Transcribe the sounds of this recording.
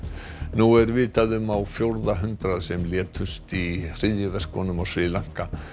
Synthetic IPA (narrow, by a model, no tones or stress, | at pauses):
nuɛɾvɪːt̪aðʏmawfjowɾðaɦʏnt̪ɾaðsɛmljɛːt̪ʰʏst̪ir̥ɪðjɪvɛr̥kvɔnʏmasɾɪːlaŋ̥ka